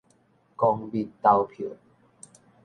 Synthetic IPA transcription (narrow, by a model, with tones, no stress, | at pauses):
kɔ˧ŋbi˧tt̪ːa˧wpʰo˨